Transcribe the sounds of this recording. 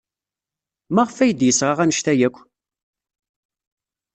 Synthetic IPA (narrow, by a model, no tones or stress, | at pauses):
mæʁfæjəd̪jəsːʁɑʁænəʃt̪æjækʷː